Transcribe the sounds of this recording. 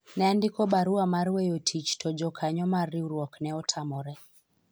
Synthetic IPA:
nɛandikɔbaɾuamaɾwɛjɔtʰit͡ʃtɔd͡ʒɔkʰaɲɔmarːiuɾwɔknɛɔtʰamɔɾɛ

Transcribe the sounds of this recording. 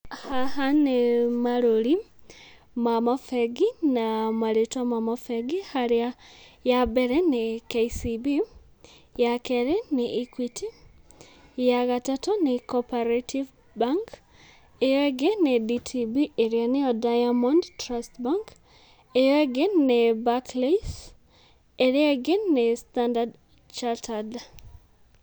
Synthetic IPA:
haɦanemaɾoɾi | mamafɛɡinamaɾetwamamafɛɡihaɾeajabeɾɛnekesibi | jakɛɾeneʔikwitʰi | jaɣatatonekɔpaɾatʰiv | baŋk | ejɔɛɡɪneditʰibieɾjanɪɔdajamɔndtɾastbaŋk | ejɔeɡɪnːebakles | eɾɪɛɡɪnːestandad | t͡ʃatad

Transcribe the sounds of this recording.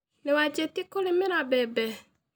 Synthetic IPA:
newad͡ʒɛt̪ikolemeɾabɛbɛ

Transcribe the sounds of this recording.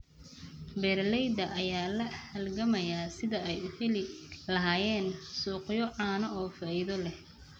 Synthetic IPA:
bɛːrlɛjd̪ɐʔɐjaːlɐhɐlɡɐmɐjaːsɪðɐɛjʊhɛlɪlɐɦaːjɛːnsuːqjɔʕaːnɐʔɔːfaɪðɔlɛh

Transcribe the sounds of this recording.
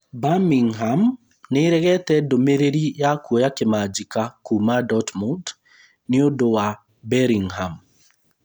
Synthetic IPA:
bamiŋɦam | neɾɛɣɛtɛdomeɾeɾijakwɔjakemad͡ʒikakumadɔtmud | niodowa | bɛɾiŋɦam

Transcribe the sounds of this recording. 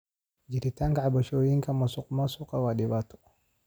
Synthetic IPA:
d͡ʒiɾitaŋɡaabaʃojiŋkamasukmasukawaɗibatɔ̥

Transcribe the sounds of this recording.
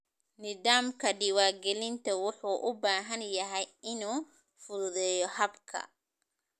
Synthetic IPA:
nɪðaːmkʰɐɖɪwaːɡɛlɪnt̪ʰɐwʊħuːʔʊbaːɦɐnjɐɦɛjɪnuː | fʊððɛːjɔhɐbkʰɐ̰

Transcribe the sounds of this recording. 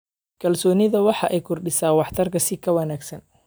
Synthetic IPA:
kʰɐlsɔːnɪðɐwɑħɑʔɛjkʰʊrɖɪsaːwɑħt̪ʰɐrkʰɐsɪkʰɐwɐnaːɡsɐn

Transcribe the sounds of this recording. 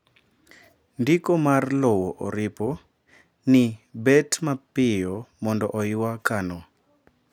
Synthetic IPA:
ndikɔmarlɔwɔʔɔɾɪpɔ | nibɛtmapɪjɔmɔndɔʔɔjiwakanɔ

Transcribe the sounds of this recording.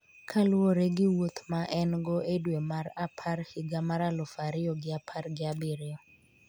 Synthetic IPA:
kʰaloɾeɡɪwot̪maʔɛnɡɔʔedwemaɾapʰarhɪɡamaɾalɔfaɾɪɔɡɪapʰarɡɪabɪɾɪjɔ

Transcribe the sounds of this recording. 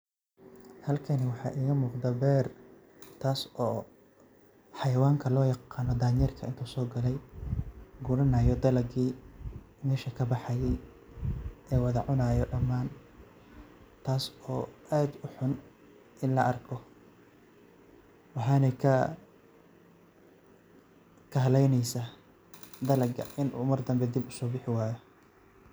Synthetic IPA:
hɐlkʰɐnɪwɑħɑ̰ːʔiːɣɐmuːqd̪ɐbɛːr | t̪ʰaːsɔː | ħɑjɐwaːŋkʰɐlɔːjɑqɑːnɔd̪aːɲjɛrkʰɐʔɪnt̪ʰuːsɔːɡɐlɛj | ɡʊɾɐnɐːjɔd̪ɐlɐɡiː | mɛːʃɐkʰɐbɑħɑjɛj | ʔɛːwɑðɐʕʊnaːjɔɖɐmːaːn | t̪ʰaːsɔːʔaːd̪ʊħʊn | ʔɪnlɐʔɐrkʰɔ | wɑħɑːnɛjkʰɐ | kʰɐɦɐlɛjnɛjsaː | d̪ɐlɐɡɐ̰ʔɪnʔṵːmɐrd̪ɐmbɛd̪ibʊsɔːbɪħɪwaːjɔ

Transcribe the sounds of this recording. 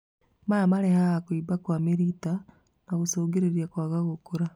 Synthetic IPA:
mamaɾehaːkwiːbakwamiɾita | naɣusoːɡeɾeɾjakwaɣaɣukuɾa

